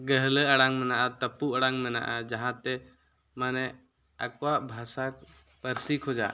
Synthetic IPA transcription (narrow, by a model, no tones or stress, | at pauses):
ɡəɦləəɽaŋmɛnaʔat̪əpuʔəɽaŋmɛna̰ʔad͡ʒaɦãt̪ɛ | manɛ | əkwaʔbʱasak | pəɾsikʰɦod͡ʒa̰